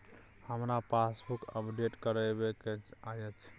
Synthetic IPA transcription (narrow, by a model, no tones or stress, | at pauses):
həmɾapasbukəpɖeʈkəɾɛbekeajət͡ʃʰ